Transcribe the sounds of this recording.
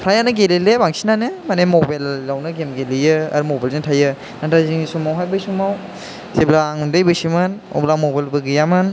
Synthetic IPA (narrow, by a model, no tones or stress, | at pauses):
pʰɾajanɯɡelilebaŋsinanɯmanemobajlːawnɯɡemɡelijɯɐ̰ɾumobajlntʰajɯ | natʰaziŋisumawɦajbɯjsumaw | seblaːŋundɯjbɯsimɯn | o̰blamobalbɯɡijamɯn